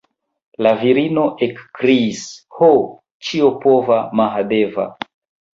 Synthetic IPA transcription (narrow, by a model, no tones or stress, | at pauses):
laviɾino̞ʔekːɾiːsho | t͡ʃio̞po̞vamaɦade̞va̰